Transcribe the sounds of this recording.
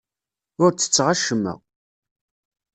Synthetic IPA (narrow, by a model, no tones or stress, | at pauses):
ʊɾt͡sːə̥t͡sːʁaʃəmːæ̰